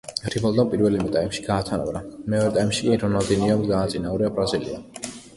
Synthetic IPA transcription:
ɾibɔlˠd̪anpʼiɾvɛlimɛt̪ʼaimʃi̥ɡaːt̪ʰana̰bɾamɛɔɾɛt̪ʼaimʃi̥kʼiɾɔnad̪ɛniamd̪ɡaːt̪sʼinauɾiabɾazilḭa̰

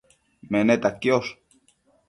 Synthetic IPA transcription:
menet̪akːioʃ

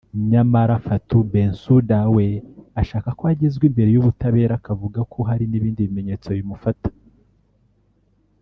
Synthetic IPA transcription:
ɲamaɾafatubensudaweaʃaːkakoaɟezɡwiːmbe̞ɾejuβutaβe̞ːɾakavuɡakʰoɦaɾiniβiːndiβime̞ɲe̞ːt͡so̞jimufatḁ

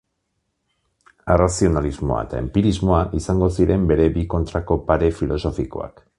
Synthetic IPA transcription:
erasio̞nalizmo̞̰a̰et̪a̰e̞̰mpiɾizmo̞aʔisaŋɡo̞siɾe̞mbe̞ɾe̞biko̞nt̪ɾako̞paɾe̞filo̞so̞fiko̞̰a̰k

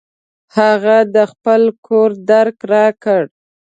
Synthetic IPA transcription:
haɣad̪əxpəlkʰoɾd̪aɾkɾɑkəɽ

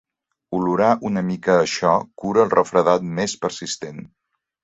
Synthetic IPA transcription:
uluɾaʔunəmikəːʃɔkuɾəːlˠrʔəfɾəðat̪̚mespəɾsist̪en

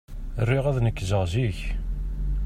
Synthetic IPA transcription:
rːiʁæðnəkːzəʁziç

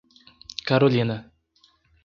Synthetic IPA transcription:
kaɾolʲina

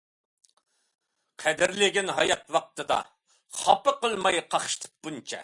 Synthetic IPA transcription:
qʰɛd̪ɪɾlɪɡʲɪnɦɑjɑt̪̚wɑq̚t̪ɨd̪ɑ̰ | χɑpəqəlˠmɑjqʰɑχʃt̪ʰɨ̥p̚bunt͡ʃʰɛ̰

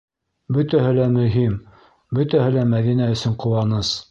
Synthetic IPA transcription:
bɵ̆t̪æɦɘlæmɵ̆ɦim | bɵt̪æhɘlæmæðinæɵ̆sɵɴqŏwɑnɤs

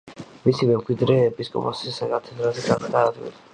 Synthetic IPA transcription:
misimɛmɡʼwid̪ɾɛbiskʼɔ̰masisaɡat̪sʰɛd̪ɾazɛɡanad̪aːd̪vḭla

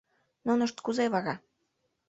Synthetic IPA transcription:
nunəʃt̪kuzeβɑɣɑ

